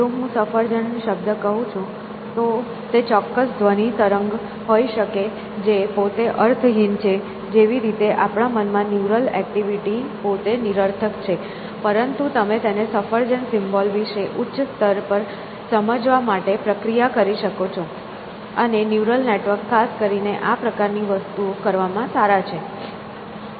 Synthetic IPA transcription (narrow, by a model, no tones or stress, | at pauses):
ũɦũsəfəɾd͡ʒəɳnĩʃəb̚d̪əkəɦũt͡ʃʰũ | t̪o | t̪et͡ʃɔkːəsd̪ʱʋənit̪əɾəŋɡ | ɦoiʃəke | d͡ʒepot̪eʔəɾt̪ʰɦint͡ʃʰe | d͡ʒeʋiɾit̪eʔapɳamənmãnjuɾəlɛ̰k̚ʈiʋiʈipot̪eniɾəɾt̪ʰəkt͡ʃʰe | pəɾənt̪ut̪əmet̪enesəfəɾd͡ʒənsɪmbolʋiʃeʔutːʃst̪əɾpəɾ | səməd͡ʒʋamaʈepɾəkɾijakəɾiʃəkot͡ʃʰo | ənenjuɾəlneʈʋəɾkʰːaskəɾineʔapɾəkaɾniʋəst̪uokəɾʋamãsaɾat͡ʃʰe